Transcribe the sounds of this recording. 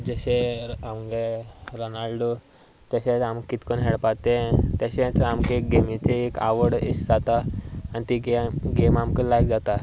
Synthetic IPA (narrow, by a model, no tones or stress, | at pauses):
d͡zəɕeamɡeɾɔnalɖo | t̪jaɕẽt͡samkit̪konɦeɽpat̪ẽt̪jaɕẽt͡samkeɡemit͡seeka̰ʋəɽḭsd͡zat̪aːnt̪iɡɡemamkəlajkd͡zat̪a